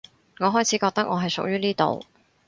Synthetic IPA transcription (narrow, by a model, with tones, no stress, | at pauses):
ŋɔː˨˧ɦɔː˥jt͡sʰiː˨˥kɔː˧k̚t̪ɐ˥k̚ŋɔː˨˧ɦɐ˨jsʊ̰˨k̚jyː˥niː˥t̪o̰˨w